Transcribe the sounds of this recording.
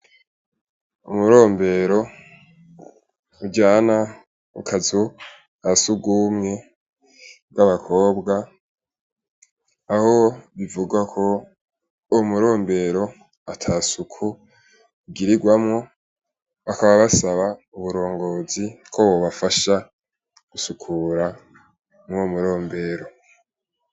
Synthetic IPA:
umuɾo̞ːmbe̞ɾo̞ | uɟaːna | ukʰazu | asuɡumŋe̞ | bɡaβakʰo̞ːbɡa | ho̞βivuɡwakʰo̞ | muɾo̞ːmbe̞ɾo̞ | atʰasukʰu | ɡiɾiɡwamŋo̞ | βakaβaβasaβauβuɾo̞ːŋɡo̞zikʰowoβafaʃa | ɡ̥usukʰuɾa | momuɾo̞ːmbe̞ːɾo̞

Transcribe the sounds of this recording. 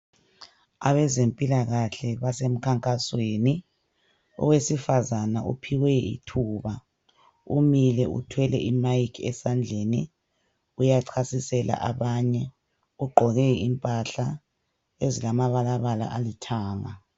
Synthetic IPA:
a̰βɛzempʼilaɣaɬɛβasem̩kʰaŋkʼasweni | ɔ̰wesifazanaʔṵpʰiwɛḭtʰuːβa | umilɛṵtʰwɛlɛ̰ʔimajikʰɛ̰sand͡ɮʱeni | ujaǀʰasisɛla̰ʔaβaɲɛ | uɡ͡ǃʱɔɣɛimpʼaɬa | ezilamaβalaβala̰ʔalitʰaːŋa̰

